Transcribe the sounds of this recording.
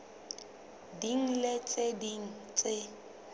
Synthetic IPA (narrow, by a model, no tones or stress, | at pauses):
diŋ̩let͡sʼediŋ̩t͡sʼe